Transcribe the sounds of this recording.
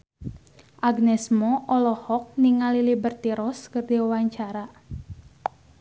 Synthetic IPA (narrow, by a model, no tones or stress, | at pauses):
ʔaɡnɛsmɔʔɔlɔhɔk̚niŋalilibərt̪iɾɔskɨrdiuwaɲt͡ʃaɾa